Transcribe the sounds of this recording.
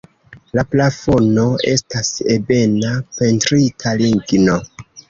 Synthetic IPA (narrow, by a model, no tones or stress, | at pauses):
laplafo̞no̞e̞̰stasebe̞nape̞ntɾitʰaliŋɡno̞